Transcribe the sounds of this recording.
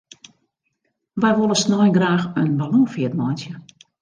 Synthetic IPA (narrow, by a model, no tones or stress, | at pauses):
ʋɛjʋolˠəsnɔjɡraːxənbalɔŋfiətmɔjnsjə